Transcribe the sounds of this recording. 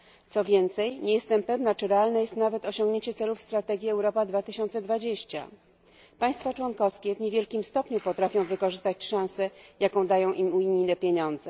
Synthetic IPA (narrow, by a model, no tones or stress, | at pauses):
t̪sɔvʲjɛnt̪sɛjɲejɛst̪ɛmpɛvnat͡ʂɘɾɛalnɛjɛst̪navɛt̪ɔɕɔŋɡɲeɲt͡ɕɛt̪sɛlufst̪ɾat̪ɛɡʲjiɛwɾɔpad̪vat̪ɘɕɔnt̪sɛd̪vad͡ʑeɕt͡ɕa̰ | paj̃st̪fat͡ʂwɔnkɔfskʲɛvɲevʲjɛlkʲimst̪ɔpɲupɔt̪ɾafʲjɔ̃w̃vɘkɔʐɘst̪at͡ɕʂãw̃sɛjakɔ̃w̃d̪ajɔ̃w̃ʔimuɲinɛpʲjeɲɔnd̪zɛ